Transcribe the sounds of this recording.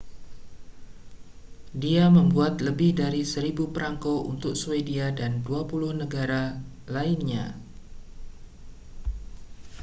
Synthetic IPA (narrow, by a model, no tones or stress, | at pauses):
diaməmbuat̪ləbɪhdaɾisəɾibupəɾaŋkoʔṵnt̪ʊk̚suediadanduapulʊhnəɡaɾa | laɪnɲa̰